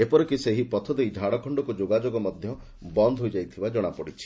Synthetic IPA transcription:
epɔɾɔkiseɦipɔt̪ʰɔd̪ejd͡ʒʱaɽɔkʰɔɳɖɔkud͡ʒoɡad͡ʒoɡɔmɔd̪ʱjɔ | bɔnd̪ʱɦojd͡ʒajt̪ʰibad͡ʒɔɽ̃apɔɽit͡ʃʰi̥

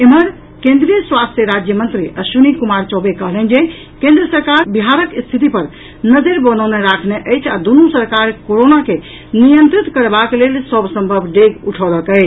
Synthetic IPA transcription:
eməɾ | kẽnd̪ɾijəswast̪ʰjəɾad͡ʒjəmənt̪ɾiʔəʃunikumaɾt͡ʃɔbekəɦlɛnd͡ʒe | kẽnd̪ɾəsəɾkaɾbiɦaɾəkst̪ʰit̪̬ipəɾ | nəd͡ʒəɾbənəwneɾakʰneʔəɪt͡ʃʰad̪unusəɾkaɾkoɾonake | nijənt̪ɾit̪kəɾbaklelsəbsə̃mbʱəbʱɖeɡuʈʰɔɾəkəɪt͡ʃʰ

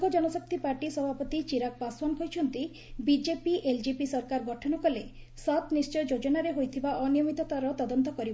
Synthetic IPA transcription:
ɡɔd͡ʒɔnɔsɔk̚t̪ipaɾʈisɔbʱapɔt̪it͡ʃiɾak̚basɔnkʰojt͡ʃʰɔnt̪i | bid͡ʒepiʔeld͡ʒipisɔɾkaɾɡɔʈʰɔnɔkɔle | sat̪nist͡ʃɔjd͡ʒod͡ʒɔnaɾeɦojt̪ʰibaʔɔnijɔmit̪ɔt̪aɾɔt̪ɔd̪ɔnt̪ɔkɔɾib

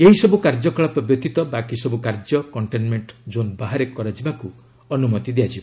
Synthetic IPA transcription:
eɦisɔbukaɾd͡ʒɔkɔɭɔpɾɔbjɔt̪it̪ɔbakisɔbukaɾd͡ʒɔkɔɳʈenmeɳʈd͡ʒonbaɦaɾekɔɾad͡ʒibaku | ɔnumɔt̪id̪ejad͡ʒiba

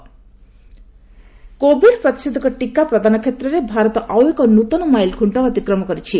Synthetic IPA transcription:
kobʱiɖpɾʌt̪i̥sid̪ʱːkɔʈikapɾʌd̪ʱanɔkʰet̪ɾɔɾebʱaɾɔt̪ɔʔawekɔnut̪ɔnɔmajlɡʱuɳʈɔɐt̪ikɾɔmɔkɔɾit͡ʃʰi

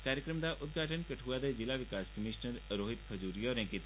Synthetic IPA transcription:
kaːɾjəkɾəmd̪aʔʊt̪̚ɡʱaːʈənkɐʈʰuːad̪ezɪlaʋɪkaːskəmiːʃnəɾɾoːɦɪt̪kʰɐd͡ʒuːɾijɔːɾɛ̃ːŋkɪt̪ː

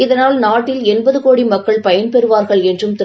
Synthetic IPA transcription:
ɪðɐnaːlnaːʈːɪlɛnbɐðɯkoːɽimɐkːɐɭpɐjɐnpɛɾɯʋaːɾɣɐɭɛndrɯmt̪ɪ

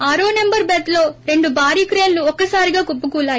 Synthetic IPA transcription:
aːɾoːnembɐɾbɐt̪lo̞ːɾe̞ɳɖubʱaːɾiːkɾeːnluɔkːɐsaːɾiɡaːkupːukuːlaːji

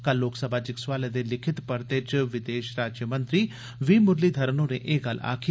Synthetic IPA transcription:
kɐlːoːksəbʱaːd͡ʒɪkswaːled̪elɪkʰɪt̪pəɾt̪et͡ʃʋɪd̪eːʃɾaːd͡ʒjəmə̃nt̪ɾiː | ʋiːmʊɾliːd̪ʱɐɾənõːnḛʔeːɡɐla̰ːkʰi

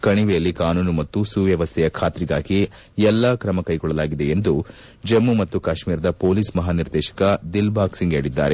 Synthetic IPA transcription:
kɐɳiʋɛjɐlːikaːnuːnumɐt̪ːusuʋjɐʋɐst̪ʰɛjɐkʰaːt̪ɾiɡaːɡi | ɛlːɐkɾɐmɐkɐjɡɔɭːɐlaːɡid̪e̞end̪u | d͡ʒemːumɐt̪ːukaːʃmiːɾɐd̪ɐpo̞ːliːsmɐɦaːniɾd̪ɛːʃɐ̥kɐd̪ilbʱaːksiŋɡeːɽid̪ːaːɾe̞

